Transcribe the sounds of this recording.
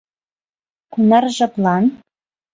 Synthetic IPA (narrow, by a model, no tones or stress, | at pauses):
kunɑrʒɤ̆plɑn